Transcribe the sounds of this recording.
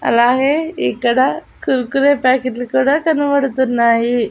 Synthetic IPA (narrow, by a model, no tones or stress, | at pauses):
ɐ̰laːɡeikːɐɽa | kuɾkuɾepaːkeʈlkuːɽakɐnːuʋɐɽt̪unːaːɦi